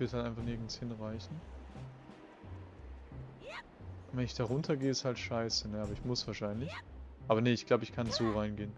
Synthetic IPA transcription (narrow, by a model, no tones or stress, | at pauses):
v̥ɪɐthaltʔaɪnfaχnɪɐɡn̩shɪnʁaɪçn̩ | nvɛnɪçd̥aʁ̞ʊntʰɐɡeːəɪsthaltʃaɪsənəʔaːbɐɪçmʊsv̥aːɐʃaɪnlɪçʔaːbɐnəɪçɡ̥laʊbəɪçkʰanzoːʁaɪnɡeːən